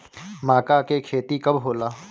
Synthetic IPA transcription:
maːkakekʰeːt̪ikɐbʱɦoːlaː

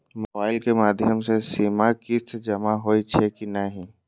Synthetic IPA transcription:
mobaːɪlkemaːd̪ʱjəmsesiːmakɪt̪ʰd͡ʒɐmaɦoːit͡ʃʰekinɐɦĩ

